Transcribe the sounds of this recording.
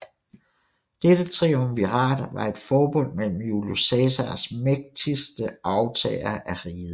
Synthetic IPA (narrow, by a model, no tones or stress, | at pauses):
d̥ed̥ət͡sʰʁiːomʋiʁɑ̰̈ːd̥ʋɑ̈e̝d̥fɒːb̥ɔ̽n̰mel̰m̩julosɛsæsmeɡ̥̚d̥ʰisd̥əʔɑ̈ʊt͡sʰɛ̰ːɪɐʔæʁiːð̩ˠ